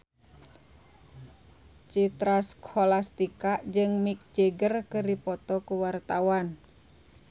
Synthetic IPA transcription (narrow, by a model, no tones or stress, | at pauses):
t͡ʃit̪ɾaskʰolast̪ikaʔd͡ʒɨŋmik̚d͡ʒeɡərkɨɾipɔt̪ɔkuwart̪awan